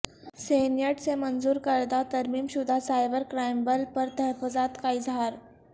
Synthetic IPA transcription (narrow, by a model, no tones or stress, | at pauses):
senjəʈt͡semənd͡zuːɾkəɾd̪at̪əɾmiːmɕud̪ʱasajbəɾkɾajmbəlpəɾt̪əɦəfod͡zat̪kaiːd͡zʱaɾ